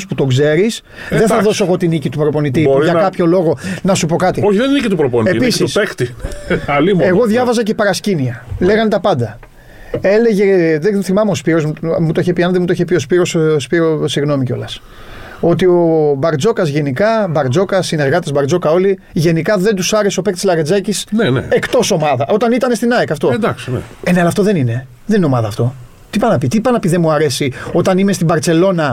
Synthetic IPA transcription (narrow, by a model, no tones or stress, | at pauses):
sput̪o̞ɡze̞ɾis | ððe̞nθɐðosoeɣo̞t̪inicit̪upɾo̞po̞nit̪ioɾʝɐkɐpço̞lo̞ɣo̞nɐsupo̞kɐt̪ioçiðeninicit̪upɾoponiepisit̪uspext̪iɐlimeɣo̞ðʝɐvɐzɐcepɐɾɐsciniɐle̞ɣɐnet̪ɐpɐnd̪ɐ | e̞le̞ʝe̞ðeθimɐmeospiɾo̞zmumut̪oiçepiɐnɐd̪emut̪oiçepio̞spiɾo̞sspiɾosiɣno̞miceo̞̰lɐs | o̞t̪̬io̞bɐɾd͡zo̞kɐzʝe̞nikɐbɐɾd͡zo̞kɐsineɾɣɐt̪ezbɐɾd͡zo̞kɐo̞li | ʝe̞nikɐðe̞nd̪usɐɾe̞so̞pe̞kt̪izlɐɾed͡zɐcisnenḛe̞kt̪o̞so̞mɐðɐʔo̞t̪ɐnit̪ɐne̞st̪inɐekɐft̪o̞d̪ɐksnḛeneɐlɐft̪oðe̞nine̞ | ðenineo̞mɐðɐːft̪o̞ | t̪ipɐnɐpit̪ipɐnɐpiðemuɐɾe̞sio̞t̪ɐnime̞st̪ibɐɾt͡se̞lo̞nɐ